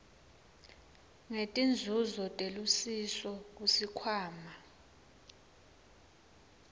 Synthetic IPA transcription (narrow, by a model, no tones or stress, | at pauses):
ŋetʼind͡zʱuzɔtʼelusisɔk̬ʼusikʰwaːma